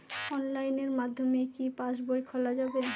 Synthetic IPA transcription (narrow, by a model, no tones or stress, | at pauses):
ɔnlajneɾmad̪ʱːomekipaʃbojkʰɔlad͡ʑabena